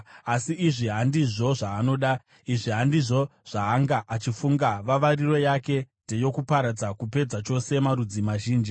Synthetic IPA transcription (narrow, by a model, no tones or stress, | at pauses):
asiːʐiɦandiʐo̞ʐaːno̞ːɗa | iʐiɦandiʐo̞ʐ̥aːŋɡaʔat͡ʃifuŋɡaʋaʋariro̞jake̞nde̞jo̞kupaɾad͡zakupe̞d͡zat͡ʃo̞se̞maɾud͡zimaʒiːnd͡ʒi